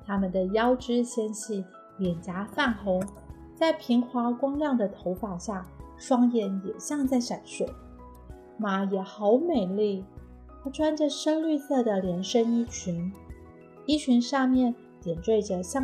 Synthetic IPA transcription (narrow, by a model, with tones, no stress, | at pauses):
t̪ʰa˥mə˨nd̪ə˩jɑ˥ʊʈ͡ʂɻ̩˥ɕjɛ˥nɕi˥˩ | ljɛ˨˩nt͡ɕa˧˥fa˥˩nxʊ˧˥ŋ | t͡sa˥˩ɪpʰi˧˥ŋxʰwɑ˧˥kwɑ˥ŋljɑ˥˩ŋd̪ə˩t̪ʰo˧˥ʊpɑ˨˩ʊɕja˥˩ | ʂwɑ˥ŋjɛ˥˩njɛ˨˩ɕjɑ˥˧ŋt͡sa˥˩ɪʂa˨˩nʂu˥˩˦ | ma˨˩jɛ˨˩xɑ˧˥ʊme˨˩ɪli˥˩˥ | ʈ͡ʂʰwa˥nʈ͡ʂə˨ʂə˥ŋly˥˧sɤ˥˩d̪ə˩ljɛ˧˥nʂə˥ŋi˥t͡ɕʰy˧˥n | i˥t͡ɕʰy˧˥nʂɑ˥˧ŋmjɛ˥˩n | t̪jɛ˨˩ntwe˥˩ɪʈ͡ʂə˩ɕjɑ˥˧